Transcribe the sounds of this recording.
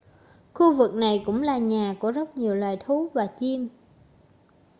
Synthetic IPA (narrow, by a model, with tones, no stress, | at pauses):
xu˧vɨ˨˩k̚na˨˩jkʊ̰˧˥ŋ͡mlaː˨˩ɲaː˨˩ku˧˩əzə˦˥t̚ɲi˨˩əwlwaː˨˩jt̪ʰu˨˦vaː˨˩t͡ɕi˧m